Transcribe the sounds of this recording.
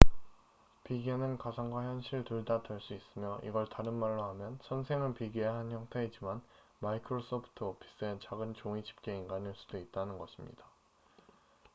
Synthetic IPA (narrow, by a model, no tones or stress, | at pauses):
piɡenɯnkasʰaŋɡwaçjʌnɕʰiɭtuɭdadɯɭs͈uis͈ɯmjʌʔḭɡʌɭtaɾɯnmaɭːoɦhamjʌnsʰʌnsʰe̞ŋɯnpiɡiaɦançjʌŋtʰe̞id͡ʑiman | maikʰɯɾos͈opʰu̥tʰɯpʰi̥s͈ɯent͡ɕaɡɯnt͡ɕoŋid͡ʑi̥p̚k͈e̞inɡaniɭs͈ud̥oit̚t͈anɯnɡʌɕʰimɲḭd̥a